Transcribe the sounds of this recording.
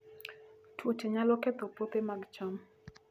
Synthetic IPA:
twot͡ʃeɲalɔkɛt̪opot̪emaɡt͡ʃɔm

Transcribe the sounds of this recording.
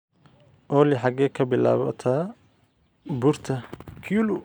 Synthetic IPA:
ʔɔːlɪħɑɡɛːkʰɐbɪla̰ːβɐ̰t̪ʰaː | burt̪ʰɐkʰulʊ

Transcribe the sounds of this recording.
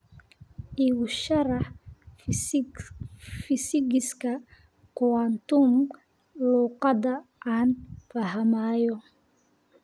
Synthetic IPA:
ʔiːwʊʃɐɾɑħ | fɪsɪɡɪskʰɐ | kʊwant̪um | luːqɑdɐʔaːnfaɦɐmaːjɔ

